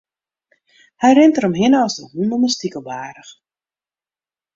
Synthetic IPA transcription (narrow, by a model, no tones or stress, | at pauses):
hɛjrɪntərəmɦɪnəɔsdəɦuməməstikəlˠbaːɾəx